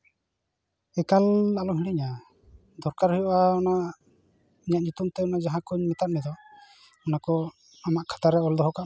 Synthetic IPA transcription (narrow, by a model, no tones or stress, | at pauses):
ɛkalalɔmɦiiɲa | d̪ɔɾkaɾɦɔjɔʔaɔna | iɲaʔ̪̚ɲut̪umt̪ɛɔnad͡ʒaɦãkɔɲmɛt̪at̪̚nɛd̪ɔ | ɔnakɔ | amaʔkʰḁt̪aɾɛɔld̪ɔɦɔka